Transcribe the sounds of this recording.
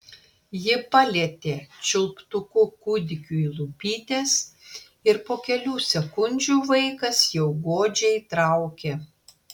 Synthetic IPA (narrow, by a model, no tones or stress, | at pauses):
jɪpɑlʲeɛt̪ʲeːt͡ʃʲʊlˠpt̪ʊkʊkuːd̪ʲɪkʲuːilˠupʲiːt̪ʲeːs | ɪɾpoːkʲɛlʲuːsʲɛkʊnʲd͡ʒʲuːʋɐɪkɐsjɛʊɡoːd͡ʒʲɛɪt̪ɾɑˑʊkʲeː